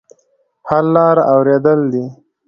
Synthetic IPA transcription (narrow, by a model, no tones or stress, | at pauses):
haɾlɑɾawɾed̪əld̪i